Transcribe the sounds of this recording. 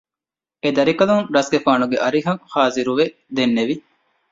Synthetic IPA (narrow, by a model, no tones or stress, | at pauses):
ed̪ɐɾikɐluŋɾɐsɡefaːnuɡeʔɐɾiɦɐhaːziɾuʋe | d̪enːeʋi